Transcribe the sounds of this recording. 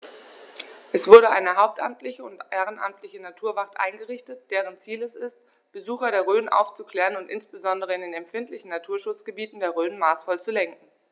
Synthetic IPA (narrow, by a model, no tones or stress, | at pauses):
ʔɛsv̥ʊɐɾəʔa̰ɪnəɦaʊp̚tʔa̰mtʰlɪçəʊntʔeːʁ̞ənʔa̰mtʰlɪçənatʰuːɐvaχtʔa̰ɪnɡəʁɪçtət̚d̥eːʁ̞ənt͡siːlɛsɪst | b̥əzuːxɐɾeːɐʁ̞øːnʔa̰ʊft͡sukl̥ɛːʁənʊntʔɪnsb̥əzɔndəʁ̞əɪndeːnɛmfɪntlɪçn̩natʰuːɐʃʊt͡sɡ̥əbiːtn̩deːɐʁøːnmaːsfɔlt͡sulɛŋkŋ̩